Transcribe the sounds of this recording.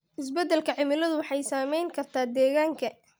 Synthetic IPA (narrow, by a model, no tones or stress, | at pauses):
ʔɪs̬bɛd̪ːɛlkʰɐʕɪmɪlɐðʊwɑħɑjsaːmɛjŋkʰɐrt̪ʰaːd̪ɛːɣaːŋkʰɐ